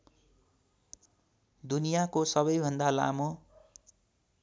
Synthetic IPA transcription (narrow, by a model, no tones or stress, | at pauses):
d̪unijakosʌβʌjbʱʌnd̪ala̰mo